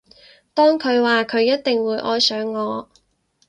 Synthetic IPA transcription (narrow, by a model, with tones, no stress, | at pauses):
t̪ɔː˥ŋkʰɵ˨˧ɥwaː˨kʰɵ˨˧ɥjɐ˥t̚t̪ɪ˨ŋwuː˨˧jʔɔː˥jsœː˨˧˥ŋːɔː˨˧